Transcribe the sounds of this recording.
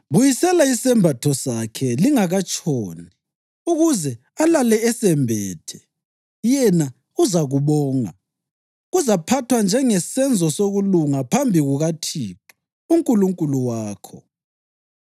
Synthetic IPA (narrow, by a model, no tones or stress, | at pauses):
βujisɛlaisɛmbʱatʰɔsakʰɛliŋaɣat͡ʃʼoːni | uɣuzɛ | alalɛɛsɛmbʱɛːtʰɛ | jɛna | uzaɣuβɔːŋa̰ | ɣuzapʰatʰwand͡ʒʱɛŋɛsɛnd͡zʱɔsoɣuluŋapʰambʱiɣuɣatʰiːǃɔ̥ | uŋkʼuluŋkʼuluwaːkʰɔ